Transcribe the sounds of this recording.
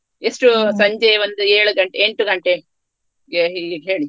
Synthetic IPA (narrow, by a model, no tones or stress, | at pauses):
esʈusɐɲd͡ʒeʋond̪ueːɭuɡɐɳʈeeɳʈuɡɐɳʈe | ɡeɦiɦeːɭi